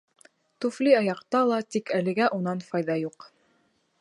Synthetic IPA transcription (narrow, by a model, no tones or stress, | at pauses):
t̪ufliɑjɑqt̪ɑlˠɑt̪ikælɘ̆ɡæʔunɑnfɑjðɑjuq